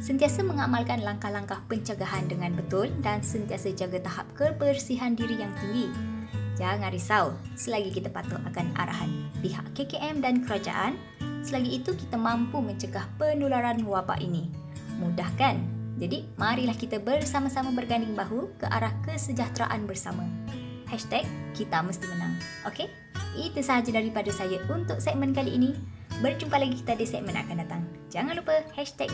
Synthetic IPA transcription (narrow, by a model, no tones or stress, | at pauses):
sənt̪iasaməŋamalkanlaŋkahlaŋkahpəɲt͡ʃəɡaɦandəŋãnbət̪ʊldansənt̪iasad͡ʒaɡat̪aɦap̚kəbərsiɦandiɾijaŋt̪iŋɡid͡ʒaŋãnɾisausəlaɡikit̪apat̪ʊʔakana̰ɾa̰ɦanpiɦa̰ʔkekeʔɛmdankəɾad͡ʒa̰ʔan | səlaɡiːt̪ukit̪amãmpumə̃ɲt͡ʃəɡahpənulaɾanwaba̰ʔinĩ | mũdahkand͡ʒadimaɾilahkit̪abərsamasamãbərɡandɪŋbaɦukəʔa̰ɾahkəsəd͡ʒaht̪ɾa̰ʔanbərsamã | hɛʃt̪ɛk̚ːit̪aməst̪imənãŋʔoke | ʔit̪usəɦad͡ʒadaɾipadəsajaunt̪ʊʔ̚sɛʔ̚mənkaliʔːni | bərt͡ʃumkat̪laɡiki̥t̪adəsɛʔ̚məna̰kandat̪aŋd͡ʒaŋanlupəhɛʃt̪ɛk̚